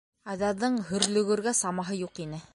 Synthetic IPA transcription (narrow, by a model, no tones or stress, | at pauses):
æðɑðːɤɴhɵ̆ɾlɵ̆ɡɵ̆ɾɡæsɑmɑɦɤjuqinɘ